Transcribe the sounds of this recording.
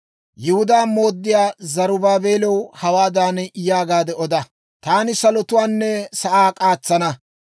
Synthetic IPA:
jɪhʊd̪aːmo̞ːd̪ːɪjaːzɐɾʊbaːbe̞ːlɛwhɐwaːd̪aːnɛɪjaːɡaːd̪ɛɔd̪ɐ | t̪aːnɪsɐlɔt̪ʊwaːnːɛsɐʔaːkʼaːt͡sːɐnɐ

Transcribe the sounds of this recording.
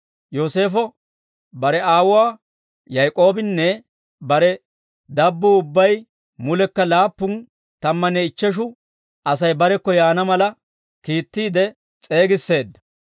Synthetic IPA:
jo̞ːse̞ːfɔ | bɐɾɛaːwʊwaː | jɐjkʼo̞ːbɪnːɛ | bɐɾɛ | d̪ɐbːʊʊbːɐj | mʊlɛkːɐlaːpːʊn | t̪ɐmːɐnɛɪt͡ʃːɛʃ̬ʊ | ɐsɐjbɐɾɛkːɔjaːnɐmɐlɐ | kiːt̪ːiːd̪ɛ | t͡sʼe̞ːɡɪsːe̞ːd̪ːɐ̥

